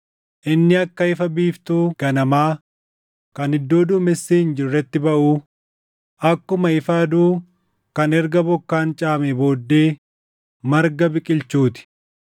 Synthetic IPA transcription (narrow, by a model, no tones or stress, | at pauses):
ʔɪnːɪɐkːɐɪfɐbiːft̪uːɡ̥ɐnɐmaː | kɐnhɪd̪ːo̞ːd̪uːmɛsːiːɪnd͡ʒɪrːɛt̪ːɪbɐʔuː | ʔɐkːʊmɐɪfɐd̪uː | kɐnɛɾɡɐbɔkːaːnt͡ʃʼaːmebo̞ːd̪ːe̞ː | mɐɾɡɐbɪkʼɪlt͡ʃuːt̪ɪ̥